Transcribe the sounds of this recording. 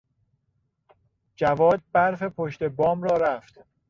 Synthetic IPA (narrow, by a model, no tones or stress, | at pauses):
d͡ʒævɒːd̪̚bæɾfe̞pʰoʃt̪e̞bɒːmɾɒːɾæft̪